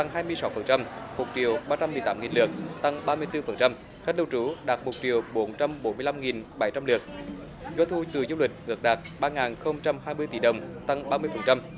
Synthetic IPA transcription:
t̪a˧ŋɦaː˧jmɨ˧əjsa˨˦wfə˨˩nt͡ɕa˧mmo˨˩t̚t͡ɕi˨˩əwɓaː˧t͡ɕa˧mːɨ˨˩əjt̪aː˨˦ŋi˨˩nlɨ˨˩ək̚t̪a˧ŋɓaː˧mɨ˧əjt̪ɨ˧fə˨˩nt͡ɕa˧m | xj̚lə˧wt͡ɕu˧˨˦ɗaː˨˩t̚mo˨˩t͡ɕi˨˩əwɓo˨˦nt͡ɕa˧mɓo˨˦nmɨ˧əjla˧mŋi˨˩nɓa˨˩jt͡ɕa˧mlɨ˨˩ək̚ | zwaː˧t̪ʰu˧t̪ɨ˨˩zu˧lwï˨˩k̟̚ʔɨ˨˩ək̚ɗaː˨˩t̚ɓaː˧ŋaː˨˩nxə˧wŋ͡mt͡ɕa˧mɦaː˧jmɨ˧əjt̪i˧˦ɗə˨˩wŋ͡mt̪a˧ŋɓaː˧mɨ˧əjfə˨˩nt͡ɕa˧m

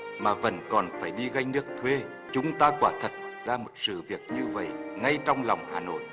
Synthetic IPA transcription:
maː˨˩və̰˧˥nkɔ˨˩nfaː˧˩jɗi˧ɣa˧jŋnɨ˦˥ək̚t̪ʰwe˧ | t͡ɕʊ˨˦ŋ͡mt̪aː˧kwaː˧˩t̪ʰə˨˩t̚zaː˧mo˨˩t̚sɨ̰˧˨vi˨˩ək̚ɲɨ˧və̰˧˨jŋa˧jt͡ɕɔ˧wŋ͡mlɔ˨˩wŋ͡mhaː˨˩no̰˧˨j

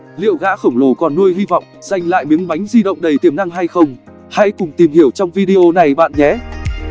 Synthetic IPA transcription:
lḭ˧˨əwɣa̰ː˧˥xə˧˩wŋ͡mlo˧˩kɔ˨˩nːu˧əjɦi˧vɔ̰˧˨wŋ͡mz̥a˨jŋ̟la̰ː˧˨jmi˨˦əŋɓa˨˦jŋ̟zi˧ɗə̰˧˨wŋ͡mɗə˨˩jt̪i˧˩əmna˧ŋɦa˧jxə˧wŋ͡m | ha̰˧˥jkʊ˨˩ŋ͡mt̪i˨˩mhi˧˩əwt͡ɕɔ˧wŋ͡mvi˧ɗi˧ʔo˧na˨˩jɓa̰ː˧˨nɲɛ˨˦

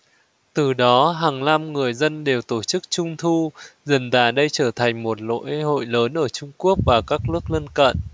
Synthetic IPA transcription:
t̪ɨ˨˩ɗɔ˨˦ɦaː˨˩ŋla˧mŋɨ˨˩əjzə˧nɗe˨˩wt̪o˧˩t͡ɕɨ˦˥k̚t͡ɕʊ˧ŋ͡mt̪ʰu˧zə˨˩nzaː˧˩ɗə˧jt͡ɕəː˧˩t̪ʰa˨˩jŋ̟mo˨˩t̚lo̰˧˥jho̰˧˨jləː˨˦nʔəː˧˩t͡ɕʊ˧ŋ͡mku˦˥ək̚vaː˨˩kaː˦˥k̚nɨ˦˥ək̚lə˧nkə̰˧˨n

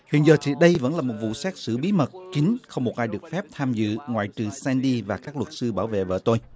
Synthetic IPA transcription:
hwḭ˧˨ənzəː˨˩t̪ʰi˨˩ɗə˧jvə̰˧˥nlaː˨˩mo˨˩t̚vṵ˧˨sɛ˦˥k̚sɨ̰˧˥˩ɓi˨˦mə˨˩t̚ki˨˦ŋxə˧wŋ͡mmu˨˩t̚ʔaː˧jɗɨ˨˩ək̚fɛ˦˥p̚t̪ʰaː˧mzɨ̰˧˨ŋwa̰ː˧˨jt͡ɕɨ˨˩sɛ˧nɗi˧vaː˨˩kaː˦˥k̚lwə˨˩t̚sɨ˧ɓaː˧˩wvḛ˧˨və̰ː˧˦t̪o˧j

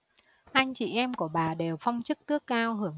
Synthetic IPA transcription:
ʔa˧jŋ̟t͡ɕḭ˧˩ʔɛ˧mku˧˩əɓaː˨˩ɗe˨˩wfɔ˧wŋ͡mt͡ɕɨ˦˥k̚t̪ɨ˦˥əkːaː˧wɦɨ˧˩əŋ

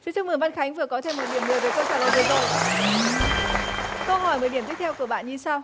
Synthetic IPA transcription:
fi˨˦t͡ɕɨ˧ŋ͡mmɨ˨˩nva˧nxa˨˦jŋ̟vɨ˨˩əkɔ˨˦t̪ʰe˧mːo˨˩ɗi˧˩əmŋɨ˨˩əjve˨˩jkə˧wsaː˧˩lə˨˩t̪ə˨˦zo˨˩j | kə˧wɦɔ˧˩jm˨˩ɗi˧˩mt̪i˦˥k̚t̪ʰɛ˧wku˧˩əɓa̰ː˧˨nɲi˧saː˧w

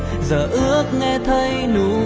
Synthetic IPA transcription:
zəː˨˩ʔɨ˦˥ək̚ŋɛ˧t̪ʰə˧jnu˨˦

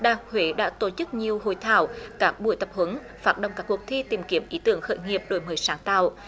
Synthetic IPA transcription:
ɗa̰ː˧˩hwe˨˦ɗa̰ː˧˥t̪o˧˩t͡ɕɨ˦˥k̚ɲi˨˩əwho̰˧˨jt̪ʰaː˧˩wkaː˦˥k̚ɓṵ˧˨əjt̪ə˨˩p̚hwə˨˦n | faː˦˥t̚ɗə̰˧˨wŋ͡mkaː˦˥kːu˨˩ək̚t̪ʰi˧t̪i˨˩mki˨˦əmʔi˨˦t̪ɨ˧˩əŋxə̰ː˧˨jŋi˨˩əp̚ɗo˨˩jməː˨˦jsaː˨˦ŋt̪a̰ː˧˨w

